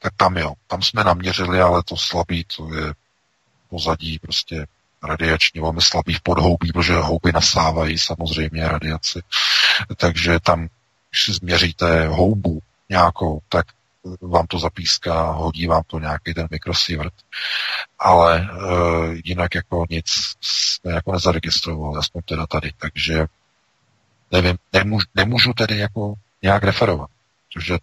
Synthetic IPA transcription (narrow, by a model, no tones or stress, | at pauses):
t̪ak̚t̪amjot̪amsmɛnamɲɛrɪlɪalɛt̪oslabiːt̪ʰojɛ | po̞zaɟiːpɾoscɛ | ɾadɪat͡ʃɲiːvɛlmɪslabiːfpodɦo̞wbiːpɾot̪oʒɛɦowbɪnasaːvajiːsamozr̝ɛjmɲɛɾadɪat͡sɪ | t̪aɡʒɛt̪am | ɡɪʃsɪzmɲɛriːt̪ɛɦo̞wbu | ɲaːkowt̪ak | vaːmt̪ozapiːskaɦo̞ɟiːvaːmt̪oɲaːkejt̪ɛnmɪkɾosɪvɾ̩t̪ | ʔalɛ | jɪnakjako̞ɲɪt͡ssmɛjakonɛzaɾɛɡɪst̪ɾovalɪaspoɲt̪ɛdat̪adɪt̪aɡʒɛ | nɛvɪmnɛmuʒunɛmuːʒut̪ɛdɪjako̞ | ɲɛjakɾɛfɛɾovat̪̚pɾot̪oʒɛ